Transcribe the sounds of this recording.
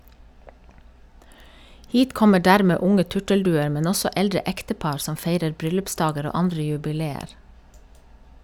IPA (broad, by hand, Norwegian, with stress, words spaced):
ˈhiːt ˈkɔmə ˈɖæːɾmeː ˈʊŋə ˈtʉʈəlˌdʉːəɾ ˈmɛn ˈɔsɔ ˈʔɛldɹə ˈɛktəˌpɑɾ ˈsɔm ˈfeɪɾəɾ ˈbɾʏlʉpˌsdɑːɡəɾ ˈoː ˈɑndɾə jʉbɪˈleːəɾ